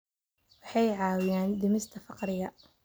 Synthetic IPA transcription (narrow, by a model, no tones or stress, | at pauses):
wɑħɑjʕɑːwɪjaːnd̪ɪmɪst̪ʰɐfɑqɾɪɣɐ